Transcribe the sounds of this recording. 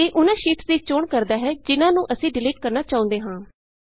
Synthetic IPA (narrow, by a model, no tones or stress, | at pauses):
eːʔʊnãːʃɪːpsd̪iːt͡ʃoːɳkəɾd̪aːɦɛːd͡ʒɪnãːnũːʔəsĩːɖɪliːʈ̚kəɾnaːt͡ʃaːʊ̃nd̪eːɦãː